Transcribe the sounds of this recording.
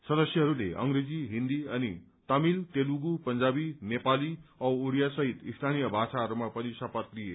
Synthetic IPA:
sʌd̪ʌsjʌɦʌɾulḛʔʌ̰ŋɾed͡ziɦind̪iʌni | t̪ʌmilt̪eluɡupʌnd͡zabinepaliʌwuɾijasʌɦit̪ist̪ʰanijʌbʱasaɦʌɾumapʌnisʌpʌt̪lije

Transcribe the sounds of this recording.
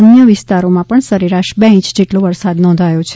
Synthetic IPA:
ənjəʋɪst̪aɾomãpəɳsəɾiɾaʃbeĩt͡ʃd͡ʒeʈloʋəɾsad̪nɔ̃nd̪ʱajot͡ʃʰe

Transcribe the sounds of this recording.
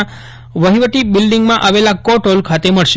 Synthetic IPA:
ʋəɦiʋət̪ibɪlɖiŋɡmãʔaʋelakɔʈolkʰat̪eməɭʃe

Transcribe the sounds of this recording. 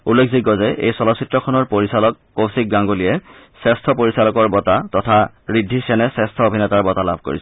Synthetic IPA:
ulːekʰzikːɔzɛʔḛjsɔlɔsitɹɔkʰɔnɔɹpoɹisalɔkːosik̚ɡaŋɡolijɛ | sɛstʰɔpoɹisalɔkɔɹbɔtatɔtʰa | ɹidʱːisɛnɛsɛstʰɔobʱinɛtaɹbɔtala̰bʱko̰ɹḭsɛ

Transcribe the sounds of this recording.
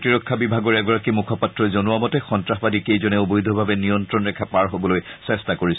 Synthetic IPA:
tiɹɔkʰːabibʱaɡɔɹɛɡɔɹakimukʰɔpatɹɔzonʊwamɔtɛxɔntɹaxbadikejzɔnɛobojd̪ʱɔbʱabɛnijɔntɹɔnɹɛkʰapaɹɦobɔlojsɛstakoɹis

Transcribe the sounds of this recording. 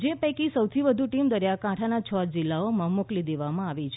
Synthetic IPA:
d͡ʒepəkisəwt̪ʰiʋəd̪ʱuʈimd̪əɾjakãʈʰanat͡ʃʰəd͡ʒɪlːaomãmʊklid̪eʋamãaʋit͡ʃʰ

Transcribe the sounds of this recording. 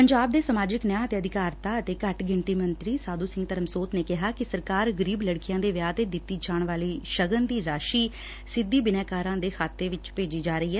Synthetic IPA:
pəɲd͡ʒaːb̚d̪eːsəmaːd͡ʒɪknjãːət̪eːəd̪ɪkaːɾt̪aːət̪eːkəʈɡɪɳʈiːmənt̪ɾiːsaːd̪uːsɪ̃ŋɡt̪əɾəmsoːt̪neːkɪɦaːkɪsəɾkaːɾɡəɾiːbləɽkɪjãːd̪eːʋjaːt̪eːd̪ɪt̪ːiːd͡ʒaːɳʋaːliːʃəɡənd̪iːɾaːʃiː | sɪd̪ːiːbɪnɛːkaːɾãːd̪eːkʰaːt̪ːeːʋɪt͡ʃpeːd͡ʒiːd͡ʒaːɾəiːɦɛː

